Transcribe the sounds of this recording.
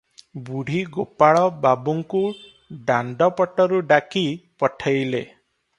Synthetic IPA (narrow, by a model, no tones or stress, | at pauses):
buɽ̤iɡopaɭɔbabuŋku | ɖaɳɖɔpɔʈɔɾuɖakipɔʈʰajle